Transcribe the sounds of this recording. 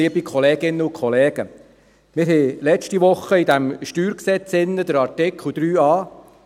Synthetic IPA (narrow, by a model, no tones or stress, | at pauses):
iəbikʰɔlɛːɡɪnːəʊkʰχɔlɛːɡ̥ə | mɪɾɦɛlɛt͡ʃtiʋʊχːəid̥̪æmʃtyːɾksɛt͡sɪnːəd̪əɾɑɾtɪkʰlud̪̥ɾyːɑː